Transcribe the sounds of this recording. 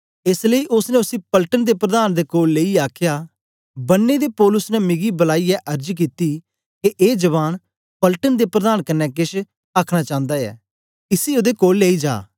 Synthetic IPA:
ɪsləiːʔʊsnẽːʊsĩːpəlʈənd̪eːpɾəd̪aːnd̪eːkoːlːeːiaːkʰjaː | bɐnːeːd̪eːpɔːlʊsnɛmɪɡibəlaːijɛʔəɾd͡ʒk̬iːt̪iː | keʔeːd͡ʒəβaːn | pəlʈənd̪eːpɾəd̪aːnkɐnːɛːkɪʃ | aːkʰɽ̃aːt͡ʃãːnd̪aːjɛ̰ː | ɪsiːod̪eːkoːlːeːid͡ʒa̰ː

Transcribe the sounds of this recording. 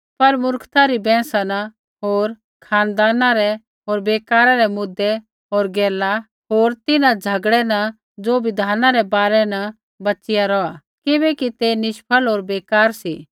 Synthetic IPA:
pɐɾmʊɾkʰt̪aɾibɛ̃ːsana | ɦoːɾ | kʰaːnd̪aːnãɾɛ | ɦoːɾbeːkaːɾaɾɛmʊd̪ːɛ | ɦoːɾɡɛːla | ɦoːɾt̪ɪnãd͡zʱɐɡɽɛna | d͡zoːbɪd̪ʱaːnãɾɛbaːɾɛnɐ | bɐt͡ʃɪjaɾɔa | kɪbɛkit̪enɪʃpʰəlɦoːɾbeːkaːɾsi

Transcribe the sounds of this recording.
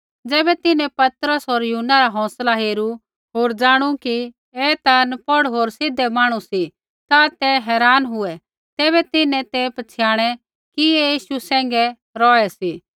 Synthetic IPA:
d͡zɛːbɛt̪ɪnɛ̃pɐt̪ɾəsɦoːɾjʊɦnːaɾaɦɔ̃ːslaɦeːɾu | ɦoːɾd͡ʒaːɽ̃uki | eːt̪anpɔɽɦoːɾsɪd̪ɛmaːɽ̃usi | t̪at̪ɛɦɛːɾaːnɦʊɛ | t̪ɛːbɛt̪ɪnɛ̃t̪epɐt͡ʃʰɪjaːɽ̃ɛ | kiejiːʃusɛ̃ːŋɡɛ | ɾɔːɛsiː

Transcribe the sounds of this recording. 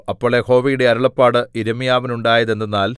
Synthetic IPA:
ɐpːoːɭekʰo̞ːʋijuɽe̞ɐɾɐɭɐpːaːɽɨiɾɐmijaːʋɐnuɳɖaːjɐðe̞nd̪ɐnːaːl

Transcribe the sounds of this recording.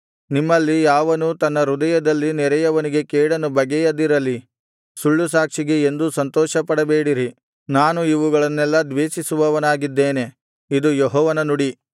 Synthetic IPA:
nimːɐlːijaːʋɐnut̪ɐnːɐɾud̪ɐjɐd̪ɐlːinɛɾɐjɐʋɐniɡe̞keːɽɐnubɐɡejɐd̪iɾɐlːi | suɭːusaːkʂiɡe̞end̪usɐnt̪ɔːʃɐpɐɽɐbeːɽiɾi | naːnuiʋuɡɐɭɐnːɛlːɐd̪ʋeːʃisuʋɐʋɐnaːɡid̪ːeːne̞ | id̪ujɔɦɔːʋɐnɐnuɽi

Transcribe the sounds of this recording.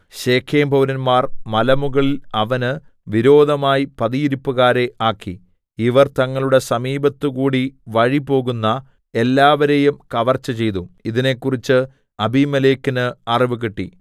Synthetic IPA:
ɕe̞ːkʰeːmbʱɐwɾɐnmaːrmɐlɐmuɣɐɭilɐʋɐnɨ | ʋiɾo̞ːd̪ʱɐmaːjipɐðijiɾupːuɣaːɾe̞ʔaːkːi | iʋɐrt̪ɐŋːɐɭuɽe̞sɐmiːbɐt̪ːɨkuːɽiʋɐɻipo̞ːɣunːɐ | e̞lːaːʋɐɾe̞jumkɐʋɐrt͡ɕːɐt͡ɕe̞jt̪uiðine̞kːurit͡ɕːɨ | ɐbimɐleːkːinɨɐriʋɨkiʈːḭ

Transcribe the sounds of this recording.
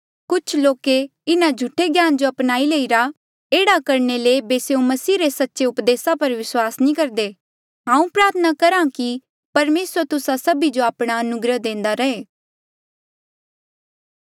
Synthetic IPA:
kʊt͡ʃʰloːkeɪnãd͡ʒʱʊʈʰːeɡjaːnd͡ʒoɐpnaːileːiɾa | eːɽakɐɾnelebeseːũmɐsiːɾesɐtːʃeʊpd̪eːsapɐɾʋɪswaːsnĩːkɐɾd̪eː | ɦãːũpɾaːt̪ʰənakɐɾãki | pɐɾmeːsət̪ʊsasɐbid͡ʒoaːpɽ̃aɐnʊɡɾəd̪ẽːnd̪aɾɐɦeː

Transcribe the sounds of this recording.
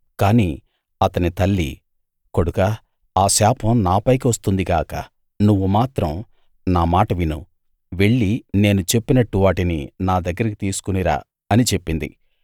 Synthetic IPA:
kaːniː | ɐt̪ɐnit̪ɐlːḭ | ko̞ɽukaː | aːsaːpʰɐmnaːpɐjk̬iʋɐst̪und̪ikaːkɐ̰ | nuʋːumaːt̪ɾɐm | naːmaːʈɐʋinu | ʋe̞ɭːine̞ːnut͡ʃe̞pːinɐʈːuʋaːʈininaːd̪ɐɡːɐɾɐkit̪iːsu̥kuniɾa̰ː | ɐnit͡ʃe̞pːind̪ḭ

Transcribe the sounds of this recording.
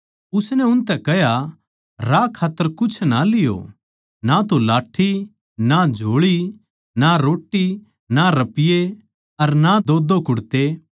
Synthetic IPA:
ʊsnɛʊnt̪ɛkɐɦja | ɾakʰaːt̪ːəɾkʊt͡ʃʰnalɪjo̰ː | nat̪olaːʈʰːi | nad͡ʒʱoːɭi | naɾoːʈːi | naɾɐpɪje | ɐɾnad̪oːd̪okʊɽt̪e

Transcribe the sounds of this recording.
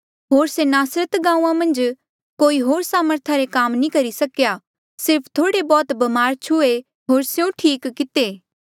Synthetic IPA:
ɦoːɾsenaːsɾət̪ɡãːũːãmɐ̃nd͡ʒ | koːiɦoːɾsaːməɾt̪ʰaɾekaːmnĩkɐɾisɐkja | sɪɾpʰt̪ʰoːɽebɔːt̪bɐmaːɾt͡ʃʰʊe | ɦoːɾsjõʈʰiːkːɪt̪eː

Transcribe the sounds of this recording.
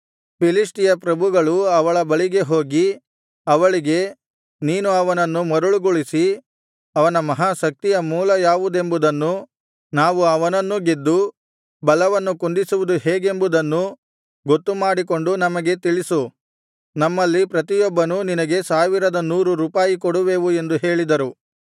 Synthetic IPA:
pilisʈijɐpɾɐbʱuɡɐɭuɐʋɐɭɐbɐɭiɡe̞ɦo̞ːɡi | ɐʋɐɭiɡe̞ | niːnuɐʋɐnɐnːumɐɾuɭuɡuɭisi | ɐʋɐnɐmɐɦaːʃɐk̚t̪ijɐmuːlɐjaːʋud̪e̞mbud̪ɐnːu | naːʋuɐʋɐnɐnːuɡed̪ːu | bɐlɐʋɐnːukund̪isuʋud̪uɦeːɡe̞mbud̪ɐnːu | ɡo̞t̪ːumaːɽikoɳɖunɐmɐɡe̞t̪iɭisu | nɐmːɐlːipɾɐt̪̬ijɔbːɐnuninɐɡe̞saːʋiɾɐd̪ɐnuːɾuɾuːpaːjikoɽuʋe̞ːʋue̞nd̪uɦe̞ːɭid̪ɐɾu

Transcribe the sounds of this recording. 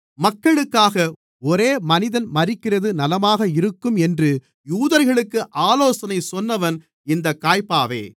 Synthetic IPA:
mɐkːɐɭɯkːaːɣɐ | ɔɾeːmɐnɪðɐnmɐrɪkːɪrɐðɯnɐlɐmaːɣɐɪɾɯkːɯmɛndrɯ | juːðɐɾɣɐɭɯkːɯʔaːloːsɐnɐɪsɔnːɐʋɐn | ɪnd̪ɐkːaːjpaːʋḛː

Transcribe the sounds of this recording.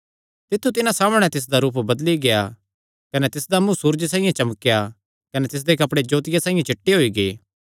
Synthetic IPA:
t̪ɪt̪ʰːut̪ɪnãsaːmɽ̃ɛ̃t̪ɪs̬d̪aɾuːpbɐd̪liɡeja | kɐnɛt̪ɪsd̪amũsuːɾd͡ʒsãːĩjãt͡ʃɐməkːja | kɐnɛt̪ɪs̬d̪ekɐpɽed͡ʒoːt̪ɪjasãːĩjãt͡ʃɪʈːeɦoiɡeː

